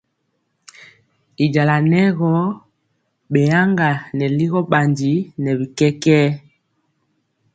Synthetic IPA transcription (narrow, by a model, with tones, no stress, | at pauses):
i˨d͡ʒa˨la˨nɛ˦ɣɔ˦ | ɓɛ˨ja˦ŋɡa˨nɛ˨li˦ɣɔ˦ɓa˨nd͡ʒi˨˦nɛ˨bi˨kɛ˦kɛː˦